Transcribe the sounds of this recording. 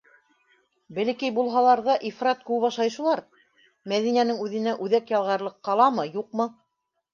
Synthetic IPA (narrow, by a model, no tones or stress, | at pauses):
bɘ̆lɘ̆kɘjbulˠɦɑlˠɑɾðɑʔifrɑt̪̚kʉwβɑʃlˠɑjʃɤ̆lˠɑɾ | mæðinænɘŋʉðɘ̆næʔʉðækjɑlˠʁɑɾlˠɤqːɑlˠɑmɤjuq̚mɤ